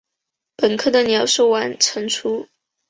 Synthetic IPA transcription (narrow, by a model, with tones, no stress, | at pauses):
pə˨˩nkʰɤ˥˩d̪ə˨njɑ˨˩ʊʂo˥˩ʊwa˧˥nʈ͡ʂʰə˧˥ŋt͡sʰu˥